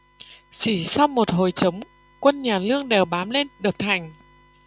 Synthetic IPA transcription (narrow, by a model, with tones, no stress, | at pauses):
t͡ɕi˧˩sa˧wmo˨˩t̚ɦo˨˩jt͡ɕə˨˦wŋ͡m | kwə˧nɲaː˨˩lɨ˧əŋɗe˨˩wɓaː˨˦mle˧nɗɨ˨˩ək̚t̪ʰa˨˩jŋ̟